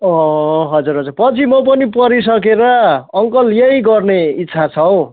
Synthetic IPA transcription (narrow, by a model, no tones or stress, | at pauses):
ʌɦʌd͡zuɾɦʌd͡zuɾpʌt͡sʰimʌp̬ʌnipʌɾis̬ʌk̬eɾʌːŋkʌljejɡʌrneitːt͡sʰat͡sʰʌw